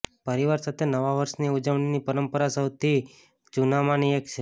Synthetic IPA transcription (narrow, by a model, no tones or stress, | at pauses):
pəɾiʋaɾsat̪ʰenəʋaʋəɾʃniud͡ʒəʋɳ̃inipəɾəmpəɾasəwt̪ʰi | t͡ʃunamaniekt͡ʃʰe